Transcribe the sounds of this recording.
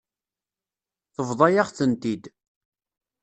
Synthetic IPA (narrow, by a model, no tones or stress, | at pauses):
θəvðˤɑjaʁθənt̪id̪